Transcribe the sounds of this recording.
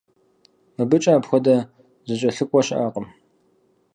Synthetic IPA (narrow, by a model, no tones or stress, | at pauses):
mɨbɨt͡ʃʼaːbxʷɔdɐ | zɨɕʼɐɬɨkʷʼɔɕɐ̰ʔaːqʼəm